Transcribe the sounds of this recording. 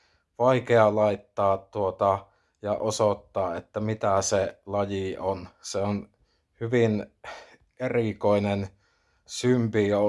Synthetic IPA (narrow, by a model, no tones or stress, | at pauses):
ʋɑikeɑlɑit̪ːɑːttuot̪ɑ | jɑʔosot̪ːɑːet̪ːæmit̪æselɑjionseon | hyʋin | erikoinen | sympijo